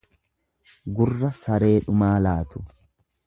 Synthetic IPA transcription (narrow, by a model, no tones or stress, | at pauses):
ɡʊrːɐsɐɾe̞ːᶑʊmaːlaːt̪ʊ̥